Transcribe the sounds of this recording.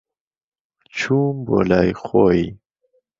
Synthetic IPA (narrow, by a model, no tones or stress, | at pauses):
t͡ɕʰumbo̰lajxoi